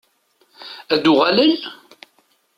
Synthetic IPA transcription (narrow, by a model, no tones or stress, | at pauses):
æd̪ʊʁæləl